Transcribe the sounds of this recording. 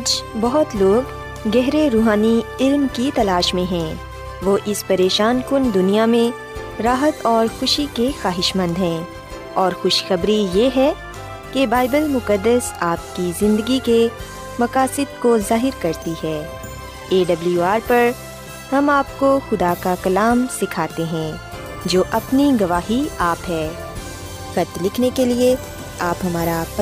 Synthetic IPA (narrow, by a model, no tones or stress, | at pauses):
aːd͡ʒbɔɦʊt̪loːɡː | ɛɦɾeɾuːɦaːniɪlmkit̪ɐlaːʃmẽɦɛ̃ː | ʋoːʔɪspɐɾeːʃaːnkʊnd̪ʊnijamẽ | ɾaːɦət̪ɔːɾxʊʃikexaːɦɪʃmə̃nd̪ɦɛ̃ː | ɔːɾxʊʃxɐbɾijeɦɛ | kebaːɪbəlmʊkəd̪ːəsaːp̚kizɪ̃nd̪əɡike | mɐkaːsɪd̪̚kozaːɦɪɾkɐɾt̪iɦɛː | eːɖɐbljuaːɾpɐɾ | hɐmaːp̚koxʊd̪akakɐlaːmsɪkʰaːt̪eɦɛ̃ː | d͡ʒoːʔɐpniɡɐʋaːɦiaːpɦɛː | xɐt̪lɪkʰnekelie | aːpɦɐmaːɾap